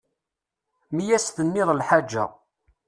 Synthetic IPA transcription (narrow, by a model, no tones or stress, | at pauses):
mijæsθənːɪðˤəlħad͡ʒːæ̰